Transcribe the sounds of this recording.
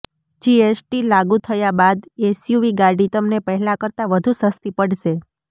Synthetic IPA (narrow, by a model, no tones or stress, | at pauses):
d͡ʒiesʈilaɡut̪ʰəjabad̪esjuʋiɡaɾɖit̪əmnepəɦɛlakəɾt̪aʋəd̪ʱũsəst̪ipəɽʃe